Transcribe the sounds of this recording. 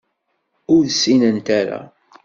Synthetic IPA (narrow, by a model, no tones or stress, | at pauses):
ʊɾsːinənt̪aɾa̰